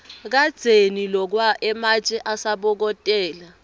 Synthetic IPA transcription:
k̬ad̥z̥ʱenilɔk̬waʔɛmat͡ʃʼɛʔasaɓɔk̬ɔtʼɛːla

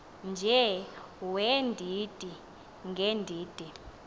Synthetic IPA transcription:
nd͡ʒʱɛ | wɛndʱiːd̥ʱi | ŋɡʱɛndʱiːd̥ʱi

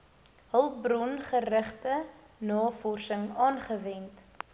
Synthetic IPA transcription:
ɦəlˠbrɔnχərəχtə | nɑːfɔrsəŋɑːnχəvɛnt

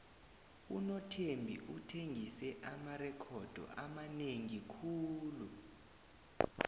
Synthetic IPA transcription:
unɔtʰembʱḭʔutʰeŋʱisɛʔamarɛkʰɔd̥ʱɔ̰ʔa̰maneŋikʰuːlu

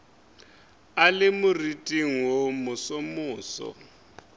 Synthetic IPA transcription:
alɪmʊritʼiŋwomʊsomʊːsɔ̰

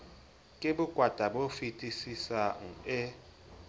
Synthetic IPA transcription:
kʼeɓuɡ̥ʱwad̥ʱaɓofitʼisisaŋ̩ɛ

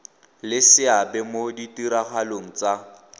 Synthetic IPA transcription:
lɪsɪabɛmoditiɾaχaloŋ̩t͡sa

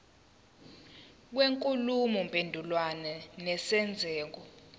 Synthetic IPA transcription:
k̬weŋkʼulumɔmpʼendʱulwanɛnɛsɛnd͡zʱɛːk̬ɔ

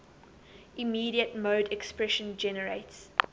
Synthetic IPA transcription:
imiːɾiətmoʊdɛkspɹɛʃə̃nd͡ʒɛnəɹeɪts

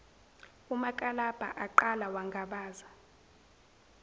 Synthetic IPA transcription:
umakʼalab̥ʱa̰ʔaǃalawaŋɡʱaɓaːza

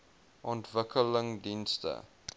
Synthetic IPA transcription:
ʔɔntvəkələŋdinstə̰

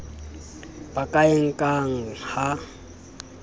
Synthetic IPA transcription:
b̥akʼaɪŋ̩kʼaŋ̩ha

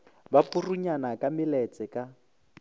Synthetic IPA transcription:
bapuruɲanakʼamɪlɛt͡sʼɛkʼa

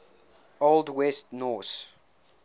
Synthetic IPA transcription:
oldwɛstnɔs

